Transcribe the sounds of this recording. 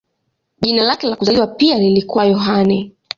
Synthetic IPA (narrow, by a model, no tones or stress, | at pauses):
ʄinalakɛlakuzaliwapialilikuwajɔɦanɛ